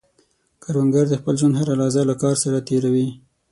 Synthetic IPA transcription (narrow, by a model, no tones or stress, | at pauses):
kaɾwaŋɡaɾd̪əxpəlʒwand̪ɦaɾalɑzalakɑɾsaɾat̪eɾawi